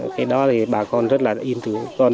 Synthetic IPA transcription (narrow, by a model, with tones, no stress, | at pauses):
kɛ˨˦ɗɔ˨˦t̪ʰi˨˩ɓaː˨˩kɔ˧nzə˦˥t̚laː˨˩ʔi˧nt̪ɨ˨˦kɔ˧n